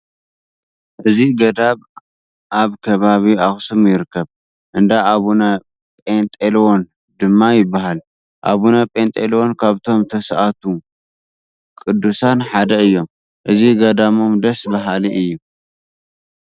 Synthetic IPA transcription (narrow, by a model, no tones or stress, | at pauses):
ʔɨziɡɐd̪aβ | ʔaβkʰɐβaβiaxsumjɪɾɨkʰːɐβ | ʔɨnd̪aaβunɐ | pʼent̪ʼelwon | d̪ɨmːajɪbːaɦal | ʔa̰βunɐpʼent̪ʼelwo̞nkʰaβt̪ʰo̞mt̪ʰɐsʔat̪ʰu | kʼɨd̪ːusanħad̪ɐɨjːo̞m | ʔɨziɡɐd̪amo̞md̪ɐsbɐɦaliʔɨjːu